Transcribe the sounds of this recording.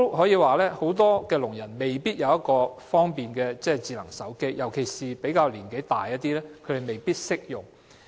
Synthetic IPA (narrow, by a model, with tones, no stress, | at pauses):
hɔː˨˥jiː˨˧waː˨lɛː˥ho˨˥wt̪ɔː˥kɛː˧lʊ˨˩ŋjɐ˨˩nme˨jpiː˥t̚jɐ˨˧wjɐ˥t̚kɔː˧fɔː˥ŋpiː˨nkɛː˧t͡sɛː˥˩t͡siː˨˧lɐ˨˩ŋsɐ˨˥wke˥jjɐ˨˩wkʰe˨˩jsiː˨pe˨˥jkaː˧wliː˨˩nke˨˥jt̪a̰ː˨jɐ˥t̚t̪ːiː˥lɛː˥kʰɾe˨jme˨jpiː˥t̚sɪ˥k̚jʊ˨ŋ